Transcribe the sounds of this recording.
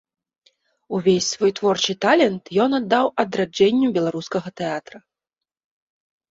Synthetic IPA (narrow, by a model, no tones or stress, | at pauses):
uvʲesʲsvɔjt̪vɔrt͡ʂɨt̪alʲɛnt̪jɔnɐd̪ːawɐd̪ɾad͡ʐɛnʲːubʲɛlˠaɾuskɐɣɐt̪ɛat̪ɾɐ